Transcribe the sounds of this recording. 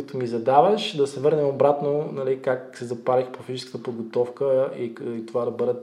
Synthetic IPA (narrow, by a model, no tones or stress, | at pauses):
t̪omizɐd̪avəʃd̪ɐsɛvɤɾnɛmobɾat̪nonɐlikaksɛzɐpalixpofizit͡ʃɛskət̪əpod̪ɡot̪ɔfkəiit̪ovad̪ɐbɤd̪ɛ